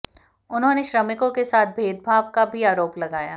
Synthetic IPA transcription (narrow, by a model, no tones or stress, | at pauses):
ʊnɦõːneʃɾɐmɪkõkesaːt̪̚ʰbʱeːd̪̚bʱaːʋkabʱiaːɾoːplɐɡaːjaː